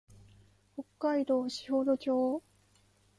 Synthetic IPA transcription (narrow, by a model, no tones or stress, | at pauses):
hokːaid̪o̞ːɕi̥hoɾokʲoː